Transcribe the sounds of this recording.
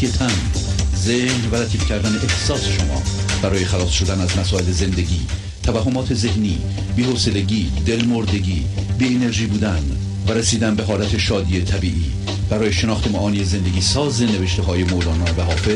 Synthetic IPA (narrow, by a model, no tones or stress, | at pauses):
et̪ʰæn | zehnvælæt̪ʰiːfcʰæɾd̪æneʔehsɒːseʃomɒ̰ːb̥æɾɒːjexælɒːsʃo̞d̪ænæzmæsɒːele̞ze̞nd̪e̞ɟiː | t̪ʰævæɦːo̞mɒːt̪ʰe̞ze̞hnḭː | biːhose̞le̞ɟiːd̪e̞lmoɾd̪e̞ɟiː | biːene̞ɾʒiːbuːd̪ænd̪ | væɾesiːd̪ænbe̞ɦɒːlæt̪ʰe̞ʃɒːd̪iːet̪ʰæbiːʔiː | b̥æɾɒːjeʃe̞nɒːxt̪e̞mɒʔɒːnijeze̞nd̪e̞ɡiːsɒːzeneveʃt̪eɦɒːje̞molɒːnɒːnvæɦɒːfel